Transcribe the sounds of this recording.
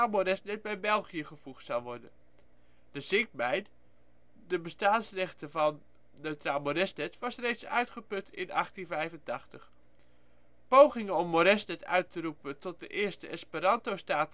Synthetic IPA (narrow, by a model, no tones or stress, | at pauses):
moɾɛsnɛt̚bɛjbɛlˠχijəχəv̥uχtsɑlˠʋɔɹdə̰n | dəzɪk̚mɛjn | dəbəstaːnsrɛχtəvɑnː | øɥtraːlˠmoɾɛsnɛtʋɑsrejtsœ̰ɥtχəpɵtʰɪ̰nɑ̰χtinvɛjvəntɑχtəχ | powχɪŋəɔmːoɾɛsnɛtʰœ̰ɥtərupəntɔt̚dəʔɪːɹstəɛspəɾɑntowstaːt